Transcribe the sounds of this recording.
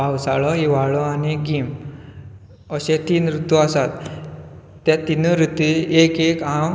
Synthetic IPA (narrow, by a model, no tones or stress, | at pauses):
awsaɭɔiʋaɭɔaniɡim | əɕẽt̪iːnɾut̪ːuasat̪ː | jãt̪inəɾut̪iekekam